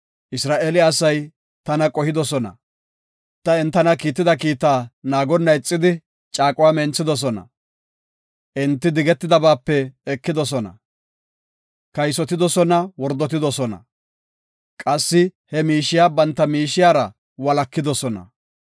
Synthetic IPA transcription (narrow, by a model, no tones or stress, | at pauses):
ʔɪsɾaːʔeːlɪɐsɐj | t̪ɐnɐkʼɔhɪd̪ɔsɔnɐ̰ | t̪ːɐɛnt̪ːɐnɐkiːt̪ːɪd̪ɐk̬iːt̪aːnaːɡɔnːɐjt͡sʼːɪd̪ɪ | t͡ʃʼaːkʼʊwaːmɛnt͡sːɪd̪ɔs̬ɔnɐ̰ | ʔɛnt̪ːɪd̪ɪɡɛt̪ːɪd̪ɐbaːpːɛɛkːɪd̪ɔs̬ɔnɐ̰ | kɐjsɔt̪ɪd̪ɔsɔnɐwɔɾd̪ːɔt̪̬ɪd̪ɔsɔnɐ̰ | kʼɐsːɪhɛmiːʃːɪjaːbɐnt̪ːɐmiːʃɪjaːɾɐ | wɐlɐkːɪd̪ɔsɔnɐ̰